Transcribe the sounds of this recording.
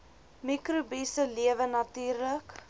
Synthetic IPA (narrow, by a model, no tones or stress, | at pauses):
mikrubisəliəvənɐtyːrlək